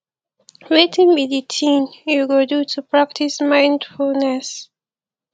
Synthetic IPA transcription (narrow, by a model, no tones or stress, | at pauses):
wetĩŋbiditʰĩnjuɡodutʰupɹak̚tʰismãɪ̃ndfulnɛs